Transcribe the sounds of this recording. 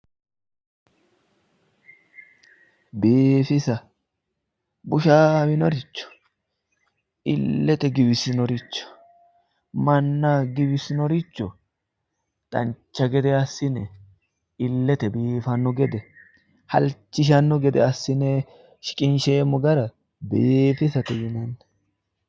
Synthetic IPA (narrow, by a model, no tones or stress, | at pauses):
biːfɪsɐ | bʊʃaːbɪnɔɾɪt͡ʃːɔ̥ | ɪlːɛt̪ɛɡɪbɪsɪnɔɾɪt͡ʃːɔ̥ | mɐnːɐɡɪbɪsɪnɔɾɪt͡ʃːɔ | t̪ʼɐnt͡ʃːɐɡɛd̪ɛɐsːɪnɛ | ɪlːɛt̪ɛbiːfɐnːɔɡɛd̪ɛ | hɐ̰lt͡ʃːɪʃ̬ɐnːɔɡɛd̪ɛ̰ɐsːɪnɛ | ʃɪ̥kʼɪnʃeːmɔɡɐɾɐ | beːfɪsɐt̪ɛjɪnɐnːɛ